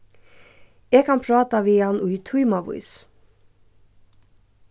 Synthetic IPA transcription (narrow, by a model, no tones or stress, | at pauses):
eːɡkʰɑnpʰɾɑːt̪ɑʋɪːɑnʊt̪ʰuʏmɑʋʊ̰ʏs